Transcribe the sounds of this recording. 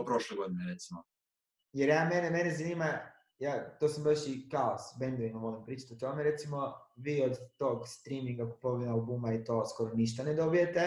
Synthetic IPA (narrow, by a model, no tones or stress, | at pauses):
pɾoʃleɡo̞d̪ineɾet̪simo | jeɾjaːmeneme̞nezaniːma | jaːt̪osambaʃikaosbend̪oʋimaʋo̞limpɾiːt͡ʃḁt̪iot̪o̞meɾe̞t̪simo̞ʋiːod̪t̪o̞ːɡst̪ɾiːmiŋɡaku̥po̞ʋinaubuːmait̪o̞ːsko̞ɾoniʃ̬t̪aned̪o̞bije̞t̪e